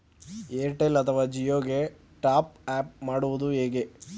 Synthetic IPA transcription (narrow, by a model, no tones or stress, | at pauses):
eːʈelɐt̪ʰɐʋaːd͡ʒijoːɡe | ʈaːp̚aːp̚maːɽuʋud̪uɦeːɡe